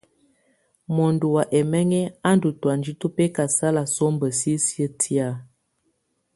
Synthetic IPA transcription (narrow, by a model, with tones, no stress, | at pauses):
mɔ˨ndu˨wa˨ʔɛ˨mɛ˦ŋɛ˦a˦ndu˨twa˨nd͡ʒi˦tu˦pɛ˦ka˨sa˦la˨sɔ˦mbə˨si˦sjə˦tʰi˦a˦˨